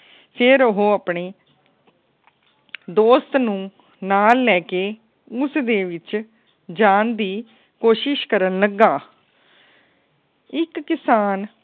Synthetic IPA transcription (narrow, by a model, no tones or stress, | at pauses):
pʰɪɾʊɦoːapɳeː | d̪oːst̪nũː | naːlːɛːkeː | ʊsd̪eːʋɪt͡ʃ | d͡ʒaːnd̪iː | koːʃɪʃkəɾənləɡːaː | ɪkːɪsaːn